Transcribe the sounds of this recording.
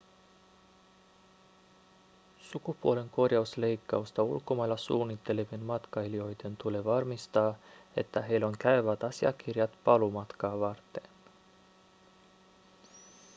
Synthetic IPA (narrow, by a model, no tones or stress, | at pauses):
sukupuo̞le̞ŋko̞rjɑusle̞jkːɑust̪ɑṵlko̞mɑjlːɑsṵːnːit̪ːe̞leʋinmɑt̪kɑilio̞jt̪e̞nt̪ule̞ʋɑrmist̪ɑːe̞̰t̪ːæɦe̞jlo̞ŋkæyʋæt̪ɑsiɑ̰k̟irjɑt̪pɑlumɑt̪kɑːʋɑrt̪ːe̞n